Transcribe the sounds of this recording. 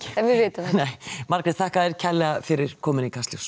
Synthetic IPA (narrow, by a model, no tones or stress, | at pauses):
ɛnvɪðvɪːt̪ɪnejmaɾkɾɛt̪θahkaðɛɾ̥cʰɛlːɛɣafɪɾɪɾ̥kʰɔːmɪnikʰast̪ljuws